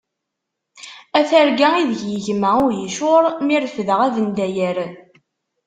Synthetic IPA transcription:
æθæɾɡæiðəʝjəʝmæʊɾjəʃʊɾˤmiɾəfðəʁæðənd̪æjəɾ

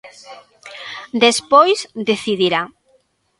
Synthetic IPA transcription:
d̪espojzd̪eθiðiɾa

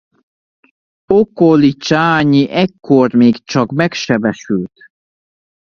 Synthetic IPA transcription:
okolit͡ʃaːɲiʔɛkːormeːɡt͡ʃɒkmɛkʃɛbɛʃylt̪

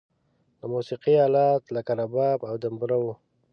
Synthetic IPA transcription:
d̪əmusiqiɑlɑt̪lakaɾabɑbawd̪əmbɾawu

